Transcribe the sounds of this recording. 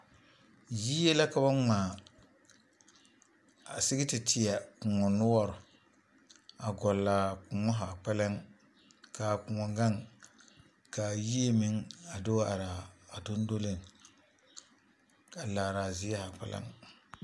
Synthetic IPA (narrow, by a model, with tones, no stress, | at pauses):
ji˦jɛ˦la˦ka˨ba˦ŋ͡maː˨ | a˨sɪ˦ɡɪ˦tɪ˨tʰɪ˨ja˨kʊ˨ŋɔ˨nʊ˦wɔ˦ɾʊ˨ | a˨ɡɔ˨laː˨kʊ˨ŋɔ˦ɦa˨k͡pɛ˦la˦ŋ | ka˨kʊ˨ŋɔ˨ŋɡa˦ŋ | ka˨ji˦e˦mɪ˦ŋa˨do˦a˨ɾa˨a˨do˦n˦do˦lɪ˦n | a˨laː˨ɾaː˨zi˦ja˦ha˨k͡pɛ̰˦la̰˦ŋ